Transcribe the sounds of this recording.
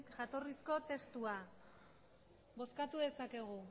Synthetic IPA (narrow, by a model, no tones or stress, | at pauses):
kʝat̪o̞risko̞t̪e̞st̪ua | bo̞skat̪uðe̞sake̞ɣ̞u